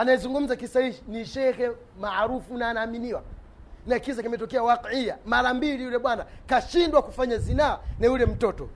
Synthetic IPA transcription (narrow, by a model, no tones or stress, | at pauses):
anaizuŋɡum̩zakisaiʃiniʃɛxɛ | maɾufunaːnaːminiwa | nakisakimɛtɔkɛawaqijamaɾambiɾijulɛɓwanakaʃindwakufaɲazinaanajulɛm̩tɔtɔ